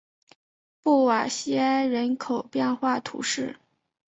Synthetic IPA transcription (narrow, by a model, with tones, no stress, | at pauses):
pu˥˩wa˨˩ɕi˥a˥ɪɻə˧˥nkʰo˨˩ʊpjɛ˥˧nxwa˥˩t̪ʰṵ˧˥ʂɻ̩˥˩